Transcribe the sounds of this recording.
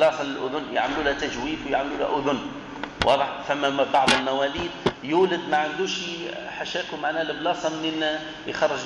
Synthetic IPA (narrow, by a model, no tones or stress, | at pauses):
lɑːsˤɑlɪlʔʊ̰ðʊnːja̰ʕmluːlæt̪aʒwiːfwɪjaʕmluːlæ̰ʔʊðʊn | wʔɑ̰ːðˤəħfæmːæbɑʕðˤəlmawæliːd̪̚juːlɪd̪maʕand̪uːʃiħaʃæːkumaʕnæːlɪblɑːsˤɑmnin | jxɑrˤːəʒ